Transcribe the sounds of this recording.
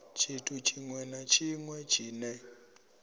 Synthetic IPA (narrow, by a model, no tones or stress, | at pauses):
t͡ʃʰitʰut͡ʃʰiŋwɛnat͡ʃʰiŋwɛt͡ʃʰiːnɛ